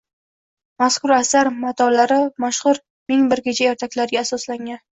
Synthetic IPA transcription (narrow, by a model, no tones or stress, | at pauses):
maskʰʊɾasaɾmat̪ʰɒlaɾɪmaʃχʊɾ | mɪŋbɪɾkʲet͡ʃʰajɒɾt̪ʰakʲlaɾɪɡʲaːsɒslaŋʲan